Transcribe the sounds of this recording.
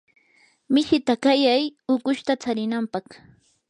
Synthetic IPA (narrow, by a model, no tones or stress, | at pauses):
mɪʃɪt̪akajajʊkʊʃt̪at͡saɾɪnampɑχ